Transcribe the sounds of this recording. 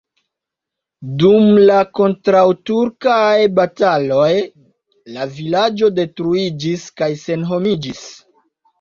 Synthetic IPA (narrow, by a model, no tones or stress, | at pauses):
dumlako̞ntɾawtuɾkajbatalo̞j | lavilad͡ʒo̞de̞tɾuid͡ʒiskajse̞nɦo̞mid͡ʒis